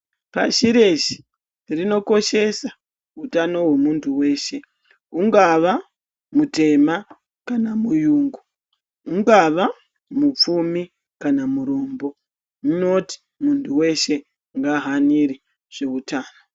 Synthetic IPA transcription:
pa̰ʃiɾe̞ʃi̥ | rino̞ko̞ʃe̞sa | utano̞ɦwemuntʰuwe̞ːʃe̞ | uŋɡaʋa | mute̞ma | kanamujuːŋɡuː | ŋɡaʋa | mup͡fumi | kanamuɾo̞ːmbo̞ | muno̞ti̥ | muntʰuwe̞ʃe̞ | ŋɡaɦaniɾi | ʐ̥eutaːno

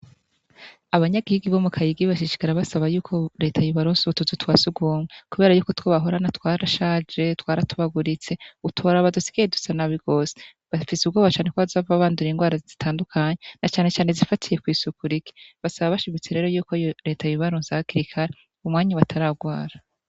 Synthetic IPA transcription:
aβaɲaɡihiɡiβo̞mukʰajiɡiβaʃiʃi̥kaɾaβasaβajuːkʰoɾe̞ːtʰajuβaɾoːnsuutut͡sutwasuɡuːmwekuβe̞ːɾajuːko̞twoβaɦoɾanatwaːɾaʃaːd͡ʒe̞twaːɾatuβaɡuɾit͡se̞utʰoɾaβadusi̥ɡ̥ajedusanaβiɡ̥o̞se̥ | βafisubɡoːβat͡ʃaːnekwoβazavaβaːnduɾiŋɡwaːɾazzitʰaːndukʰaɲenat͡ʃaːne̞t͡ʃaːnezifatʰije̞kwiːsukuɾiki̥βasaβaβaʃimit͡se̞ɾe̞ːɾo̞juːkojɾe̞ːtʰajuβaɾoːnzaakiɾikʰaɾe | umŋaːɲaβatʰaɾaɡwaːɾa

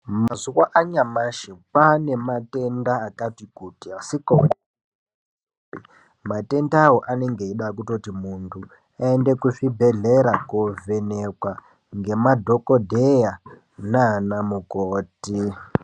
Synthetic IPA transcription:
mazuwaʔaɲamaʃepane̞mate̞ndaːkatikutiasikoku | pi | mate̞ndawoʔane̞ŋɡeiɗak̬uto̞timuntʰu | aendekufibʱeɮeɾakovenekwa | ŋɡe̞madʱo̞kodʱeja | nanamukoːti

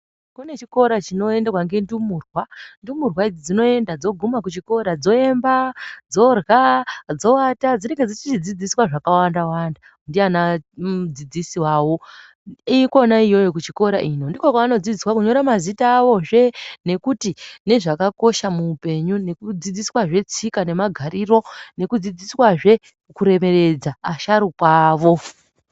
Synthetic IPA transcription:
kune̞t͡ʃiko̞ɾat͡ʃino̞e̞nderwaŋɡe̞ndumuːrwandumurwaid͡zid͡zino̞e̞ndad͡zo̞ɡʱumak̬ut͡ʃiko̞ɾad͡zo̞e̞mbad͡zo̞rɣad͡zo̞atad͡ziɾeŋɡe̞d͡zit͡ʃit͡ʃid͡zid͡ziswaʐakawandawanda | undianad͡zid͡zisiwaːwo̞ | iko̞naijo̞jokut͡ʃiko̞ɾaʔino̞ndikokwaano̞d͡zid͡ziswakuɲo̞ɾamazitaːʋo̞ʐe̞ne̞kutine̞ʐakako̞ʃamuːpe̞ɲune̞kud͡zid͡ziswaʐe̞t͡sikane̞maɡʱariːro̞ne̞kud͡zid͡ziswaʐe̞ | kuɾe̞me̞re̞d͡zaːʃaɾukwaːʋo̞

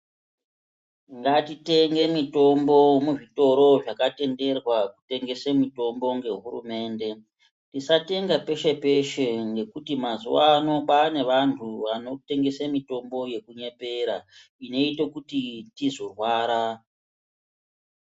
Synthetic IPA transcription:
ŋɡatite̞ŋɡe̞mito̞mbo̞muʐito̞ɾo̞ʐakate̞nde̞rwakute̞ŋɡe̞samito̞mbo̞ŋɡe̞ɦṵrṵme̞ːnde̞ | tisate̞ŋɡape̞ʃe̞pe̞ʃeŋɡe̞kutimazuwaːno̞ɓane̞ʋantʰuʋano̞te̞ŋɡe̞samito̞mbo̞je̞kuɲe̞pe̞ɾa | ine̞itekutitizo̞rwaːɾa

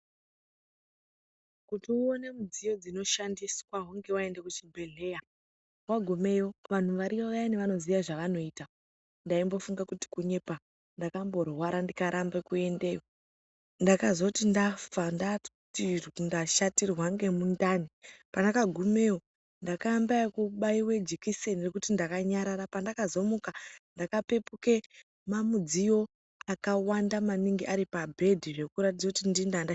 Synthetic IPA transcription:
kutiuonemud͡zijo̞d͡zino̞ʃandiswaɦuŋɡe̞wae̞ndekut͡ʃimbe̞ɮe̞ːja | waɡʱume̞joʋan̤uʋaɾiʋaʋaineʋano̞ziʋaʐaʋano̞ita | ndaimbo̞fuŋɡakuti̥kuɲe̞pa | ndakambo̞rwaɾandikaɾʔambe̞kue̞ndejo | ndakazwakutindafanda | tindaʃatirwaŋɡe̞mundanipandakaɡʱume̞wo | ndakambaikuɓaiwe̞d͡ʒikisenirekutindakaɲaɾaɾapandakazo̞mukandakape̞puke̞ | mamud͡zijo̞ | akawandamaniŋɡiʔaɾipabʱe̞dʱiʐe̞kuɾatid͡zakutindindanda

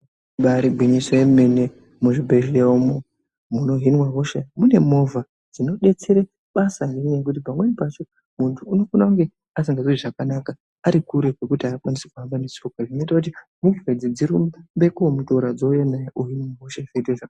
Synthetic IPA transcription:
ɓaɾibʱwinisoemene | muʐibʱeʒeomo | muno̞ɦinwaɦoʃemune̞mo̞vʱa | d͡zino̞ɗe̞t͡seɾe | ɓasaɦiniɲek̬ut̬ipamwe̞nipat͡ʃo̞ | muntʰuːno̞kunauŋɡe̞ | as̬iŋɡaziiʐakanaka | aɾikuɾekwe̞kutiaːkwanise̥kuambanesokwaʐino̞itakut̬i | muɡived͡zid͡ziɾummbe̞kuomutoɾad͡zojenajeʔoɦinwaɦoʃevedeʐak

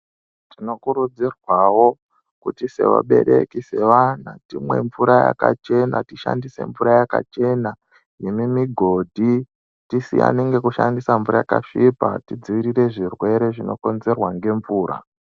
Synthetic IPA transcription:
tino̞kuɾud͡zirwawo̞ | kutise̞ʋa̰ɓe̞ɾekise̞ʋan̤atimwe̞ɱvuɾaja̰kat͡ʃe̞na̰tiʃa̰ndise̞̰ɱvuɾajaka̰t͡ʃe̞na | jimimiɡʱo̞dʱi | tisḭa̰ne̞ŋɡe̞kuʃandisaɱvuɾajaka̰ʂipa̰tid͡ziʋiɾire̞ʐirwe̞ɾe̞ʐino̞̰ko̞nze̞rwaŋɡe̞ɱvuːɾa̰

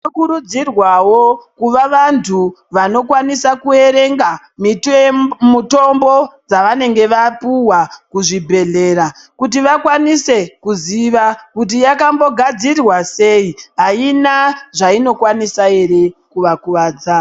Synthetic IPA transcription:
okuɾud͡zirwawokuʋaʋantʰuʋano̞kwanisakue̞ɾe̞ŋɡa | mi | muto̞mbo̞d͡zaʋane̞ŋɡe̞ʋapuwakuʐibʱe̞ɮe̞ːɾa | kut̬iʋakwanise̞kuziʋakut̬ijakambo̞ɡʱad͡zirwase̞iɦainaʐaino̞kwanisae̞ɾe̞kuʋakuʋaːd͡za

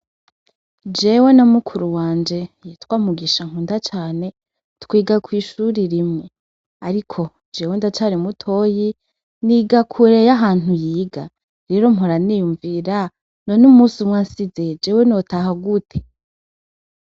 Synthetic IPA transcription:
d͡ʒe̞wenamukʰuɾuwaːnd͡ʒe̞jitwaːmuɡiʃaŋ̥uːndat͡ʃaːne̞ | tkwiːɡakwiːʃuɾiɾimŋe̞ | aɾikʰo̞ | d͡ʒe̞wendat͡ʃaːɾimutʰoji | niɡakʰuɾejaɦaːn̥ujiːɡa | ɾe̞ɾo̞m̥ɦoɾaniːjuɱviɾa | nonumusimŋaːnsize̞d͡ʒe̞ːwenotaɦaɡutʰe̥

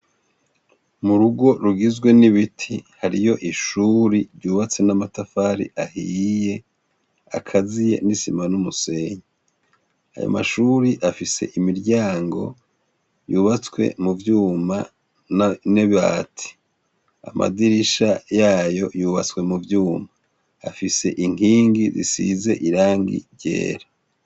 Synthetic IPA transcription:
muɾuɡo̞ɾuɡizɡwe̞niβitʰihaɾijo̞ʔiʃuɾiɾɟuːβat͡se̞namatafaɾḭʔahije̞ | a̰kʰazije̞̰nisimanumuse̞ɲe | a̰jo̰ma̰ʃuɾiʔafise̞̰ʔimiɾɟaːŋɡo̞̰ | juːβat͡swe̞̰muvjuːma | nneβaːtʰi̥ | a̰ma̰diɾiʃajaːjo̞juːβat͡swe̞muvjuːmaː | fise̞ʔiŋ̥iːŋɡizḭsize̞ʔiɾaːŋɡḭɾɟḛːɾa

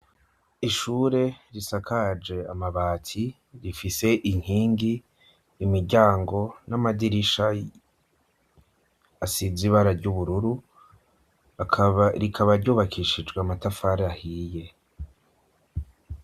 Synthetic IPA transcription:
iʃuːɾe̞ɾisakʰad͡ʒe̞a̰maβaːtʰi | ɾifise̞ʔiŋ̥hiːŋɡiː | miɾɟaːŋɡo̞namadiɾiʃa | asiziβaɾaɾɟuβuɾuɾu | ɾikʰaβaɾɟuːβakʰiʃid͡ʒɡwamatafaɾahije̞

